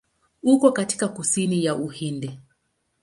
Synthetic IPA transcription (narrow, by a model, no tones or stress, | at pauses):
ukɔkati̥kakusinijaʔuhindɛ